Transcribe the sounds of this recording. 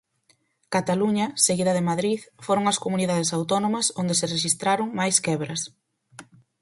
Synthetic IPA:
kat̪aluɲɐseɣiðɐðemaðɾiðfoɾoŋɐskomuniðað̞esawt̪ɔnõmɐsond̪esɪreʃist̪ɾaɾoŋmajskɛβɾɐs

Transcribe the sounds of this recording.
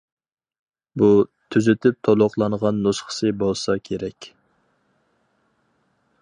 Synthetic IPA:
but̪ʰyzyt̪ʰyp̚t̪ʰolˠʊqlˠɑnʁɑnːosχʰə̥sɨbolˠsɑkʲʰeɾɛkʲ

